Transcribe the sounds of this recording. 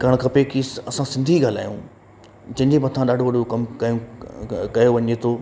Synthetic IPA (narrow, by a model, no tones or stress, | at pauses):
ɡɐɽ̃kʰɐpekiːsɐsãsɪ̃nd̪ʱiɡaːl̤a̰ːjũ | d͡ʑɐ̃ɦɪ̃ɲd͡ʑemɐt̪ʰãɗaːɖʱoʋɐɖʱokɐmkɐjũkɐjoʋɐɲet̪ʰoː